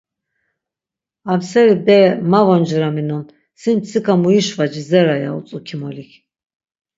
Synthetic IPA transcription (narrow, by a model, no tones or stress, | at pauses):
amsɛɾibɛmavɔnd͡ʒɾaminɔn | sinsʰikʰamuiʃvad͡ʒizɛɾaja̰ut͡s̪ʼukʰimɔlikʰ